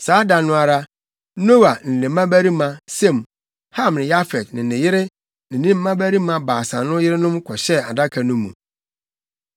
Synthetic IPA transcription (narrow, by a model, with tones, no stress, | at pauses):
saː˨˦da˨nʊ̃˦a˨ɾa˦ | no˦wa˨n̩˨lɪ̃˨m˦ã˦bæ˦ɾi˦mã˨sẽ˦˨m | ha˦˨m˨nɪ̃˨ja˦fɛ˨dnɪ̃˨nɪ̃˨jɪ˦ɾɪ˦ | nɪ̃˨nĩ˦m̩ː˦mã˦bæ˦ɾi˦mã˨baː˨sã˨nʊ̃˦jɪ˦ɾɪ˦nʊ̃˦mkʰɔ˨ɕɛ˦a˨da˦kʰa˨nʊ̃˦mːṵ̃˨